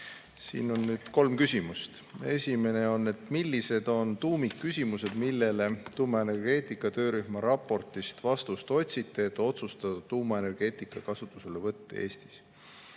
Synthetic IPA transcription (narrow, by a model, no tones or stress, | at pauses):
sḭːno̞nːyːd̪̥ko̞lmkysʲimust̪ | e̞sʲime̞ne̞o̞nːe̞t̪milːise̞d̪̥o̞nt̪uːmikːysʲimuse̞d̪̥milːe̞le̞t̪uːmɑe̞ne̞rɡ̥e̞ːt̪ˑikːˑɑt̪ø̞ːɾyhmɑɾɑpːˑo̞rt̪ist̪vɑst̪ust̪o̞t̪ʲsit̪ːˑe̞et̪ːˑo̞t̪sust̪ɑd̪ɑt̪uːmɑene̞rɡ̥e̞ːt̪ˑikːˑɑkɑsut̪ːˑuse̞le̞vɤt̪ːḛe̞ːst̪i̥s